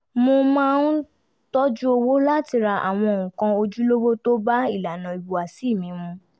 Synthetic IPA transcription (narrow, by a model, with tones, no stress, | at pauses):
mo˧mãː˦˧n̩˦ | tɔ˦d͡ʒu˦o˧wo˦la˦ti˧ɾa˧ʔa̰˨w̃ɔ̃˧o˨ũ˨kã˧˦o˧d͡ʒu˦lo˦wo˦to˦ba˦i˦˨la˨nã˨i˨bu˨a˨si˨˦˨mĩ˨˦mũ˧